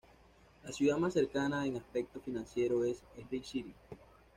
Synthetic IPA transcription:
lasjuðamasːe̞ɾkanaeŋaspe̞k̚t̪o̞finãnsje̞ɾo̞e̞seɦðejsiɾi

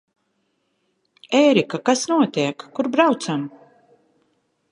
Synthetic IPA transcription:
ɛːɾikakasnuɔt̪iɛkːuɾbɾawt̪sam

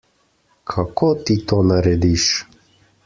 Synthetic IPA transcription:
kʰakʰot̪it̪oːnaɾɛd̪iʃ

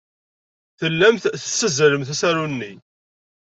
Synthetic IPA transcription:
θəlːæmθθəsːəzəɾəmθæsæɾunːi

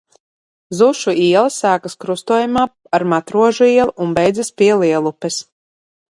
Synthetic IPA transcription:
zuʃuiɛlˠasæːkaskɾust̪uɔjumaː | aɾmat̪ɾuɔʒuiɛlˠʔunbɛjd̪zaspʲiɛlˠiɛlˠupɛs

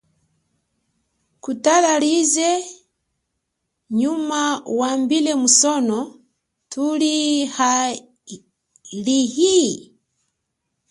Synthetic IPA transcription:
kutalalizɛ | ɲumauwambilɛmusɔnɔ | tʰuliha | lihi

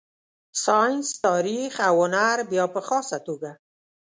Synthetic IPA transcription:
sɑjnst̪ɑɾixawhʊnaɾbjɑpəxɑsat̪oɡa

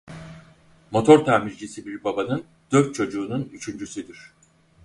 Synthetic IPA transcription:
mo̞t̪ʰo̞ɾt̪ʰaːmiɾd͡ʒisibiɾbabanɯn | d̪̥øɾt̪̚t͡ʃʰo̞d͡ʒuːnunyt͡ʃʰynd͡ʒysyd̪iɾ̥

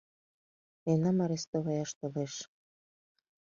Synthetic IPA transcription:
enɑmɑɾest̪oβɑjɑʃt̪oleʃ

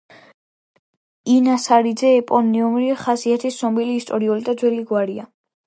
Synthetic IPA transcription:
inasaɾid̪zɛːpʼɔniumɾiχasiat̪ʰisɔmbiliːst̪ʼɔɾiɔlid̪ad̪zwɛliɡwaɾia

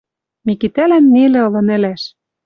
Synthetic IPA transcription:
mikit̪ælænːelĕɤ̆lɤ̆nɘ̆læʃ

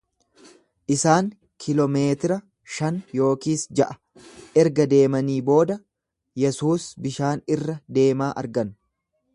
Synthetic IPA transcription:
ʔɪsaːŋ | kʰɪlɔme̞ːt̪ɪɾɐ | ʃɐnjo̞ːkiːsd͡ʒɐʔɐ̥ | ʔɛɾɡɐd̪e̞ːmɐniːbo̞ːd̪ɐ | jɛsuːsbɪʃaːnɪrːɐd̪e̞ːmaːʔɐ̰ɾɡɐn

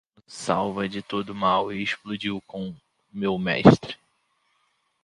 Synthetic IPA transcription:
sawvɐd͡ʒɪt̪od̪ʊmawɪːʃplud͡ʒiwkõ | mewmɛ̰ʃt̪ɾɪ

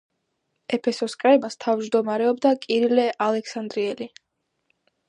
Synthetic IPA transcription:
ɛpʰɛsɔskʼɾɛbast̪ʰavd͡ʒd̪ɔmaɾɛɔbd̪akʼiɾilɛʔalɛksand̪ɾiɛli

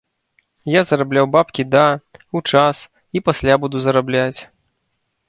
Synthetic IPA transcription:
jazɐɾablʲawbapkʲid̪aut͡ʂas | ipasʲlʲabud̪uzɐɾablʲat͡sʲ

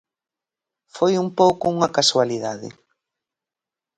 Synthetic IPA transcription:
fojumpowkʊuŋɐkaswaliðaðɪ̰

